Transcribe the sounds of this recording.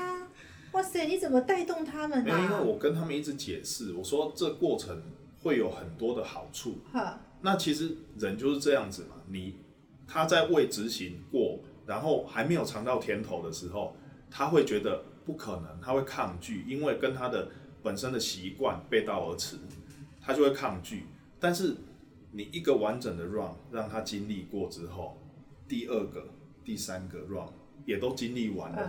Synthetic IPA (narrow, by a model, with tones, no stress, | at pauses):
wa˥˩se˨˩ɪni˨˥t͡sə˨˩nmə˦t̪a˥˧ɪt̪ʊ˥˨ŋt̪ʰa˦˥mə˨n˥˦i˦nwe˥˩ɪwɔ˨˩kə˦nt̪ʰa˥mə˨ni˥˩t͡s̩˧˦t͡ɕjɛ˨˩ʂɻ̩˥˩wɔ˨˩ʂwɔ˦ʈ͡ʂɤ˥˨kwɔ˥˩ʈ͡ʂʰə˧˦ŋ | xwe˥˩ɪjo˨˩ʊxə˨˩nt̪wɔ˥d̪ə˨xɑ˨˩ʊʈ͡ʂʰu˥˩˧ | na˥˨t͡ɕʰi˧˥ʂɻ̩˧˦ɻə˧˦nt͡ɕjo˥˧ʂɻ̩˥˧ʈ͡ʂɤ˥˧jɑ˥˩ŋd͡zɹ̩˨˩ma̰˩ni˨˩ | t̪ʰa˦t͡sa˥˧ɪwe˥˨ɪʈ͡ʂɻ̩˧˦ɕi˨˦ŋkwɔ˥˨˩ɻa˧˦nxo˥˩ʊxa˧˥ɪme˧˥ɪjo˨˩ʊʈ͡ʂʰɑ˧˥ŋt̪ɑ˥˨ʊt̪ʰjɛ˦˥nt̪ʰo˧˥ʊd̪ə˨ʂɻ̩˧˦xo˥˨ʊ | t̪ʰa˦˥xwe˥˩ɪt͡ɕɥɛ˧˦˥d̪ə˨ | pu˥˩kʰə˨˩nə˧˦ŋt̪ʰa˦we˥˧ɪkʰɑ˥˧ŋt͡ɕy˥˨i˦nwe˥˩ɪkə˦nt̪ʰa˥d̪ə˨ | pə˨˩nʂə˦nd̪ə˨ɕi˨˧˦kwa̰˥˨npe˥˧ɪt̪ɑ˥˩ʊə˧˥t͡s̩ʰ˨˧˦t̪ʰa˥t͡ɕjo˥˧we˥˧ɪkʰɑ˥˧ŋt͡ɕy˥˨˩ | t̪a˥˧nʂɻ̩˥˩ | ni˨˩ʔi˨˦ɡə˨wa˧˦nʈ͡ʂə˨˩ŋd̪ə˩ɻwɑ˥˨ŋɻɑ˥˩ŋt̪ʰa˦t͡ɕi˦˥nli˥˨kwɔ˥˨ʈ͡ʂɻ̩˦xo˥˩ʊ | t̪i˥ə˥˧ɡə˩ | t̪i˥˩sa˦nɡə˨ɻwɑ̰˥˩ŋ | jɛ˨˩t̪o˦ʊt͡ɕi˦nli˥˨wa̰˨˦n